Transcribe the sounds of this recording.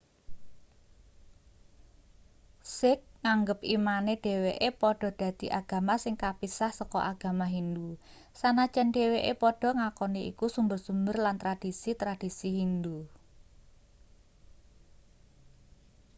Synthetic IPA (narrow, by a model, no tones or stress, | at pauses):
sɪk̚ŋaŋɡəpimaneɖ̥e̤weʔepɔɖ̥ɔ̤d̥ä̤d̪̥i̤ʔaɡ̥ä̤masɪŋkapisahsɔkɔ̰ʔaɡ̥ä̤maɦind̪u | sanḁʒ̥ɛnɖeweʔepɔɖ̥ɔ̤ŋakɔniʔḭkusumbərsumbərlant̪ɾad̥i̤sit̪ɾad̥isiɦind̪u